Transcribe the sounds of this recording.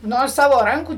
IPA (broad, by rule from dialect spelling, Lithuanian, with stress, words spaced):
ˈnoː ˈsɑːʋoː ˈrɐŋkuː